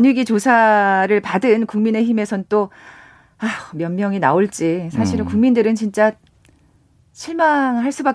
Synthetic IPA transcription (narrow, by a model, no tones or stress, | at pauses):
ɲiɡit͡ɕosʰaɾɯɭpadɯnkuŋmine̞çime̞sʰʌnt͈o | amjʌnmjʌŋinaoɭt͡ɕ͈isʰaɕʰiɾɯkuŋmindɯɾɯnt͡ɕint͡ɕ͈a | ɕʰiɭmaŋɦaɭs͈ubak̚